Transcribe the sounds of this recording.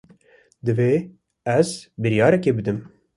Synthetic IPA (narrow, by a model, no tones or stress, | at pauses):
d̪ɨveː | ɛzbɨɾijɑːɾɛkeːbɨd̪ɨm